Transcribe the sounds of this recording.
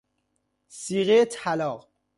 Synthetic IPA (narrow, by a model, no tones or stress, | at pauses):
siːɣet̪ʰælɒːʁ